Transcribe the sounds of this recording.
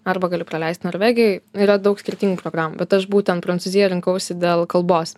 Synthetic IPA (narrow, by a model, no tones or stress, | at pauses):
ɐɾbɐɡɑlʲɪpɾɐlʲɛɪst̪noːɾʲʋʲæːɡʲɪjɛɪiːɾɐd̪ɐʊksʲkʲɪɾʲt̪ʲiːŋɡuːpɾoːɡɾɑːmṵbʲɛt̪ɐʃbuːtʲɛnpɾɐnt̪t͡s̪uzʲɪjɛɾʲɪŋkɐʊsʲɪd̪ʲeːlˠkɐlˠboːs